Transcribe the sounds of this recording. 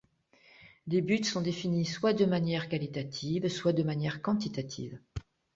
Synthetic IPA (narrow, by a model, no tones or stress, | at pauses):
lebyt̪sɔ̃d̪efiniswad̪əmanjɛʁkalit̪at̪ʰivswad̪əmanjɛʁkɑ̃t̪it̪at̪ʰḭːv